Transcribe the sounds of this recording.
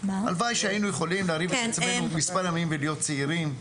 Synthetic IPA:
a̰lvajʃeajinujeχo̞limleaɾivet̪et͡samenumispaɾjamimvelijo̞t̪̚t͡seiɾim

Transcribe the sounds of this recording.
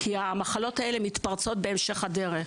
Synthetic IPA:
kiamaχalo̞tae̞le̞mit̪paʁt͡so̞tbe̞ːmʃe̞χade̞ʁe

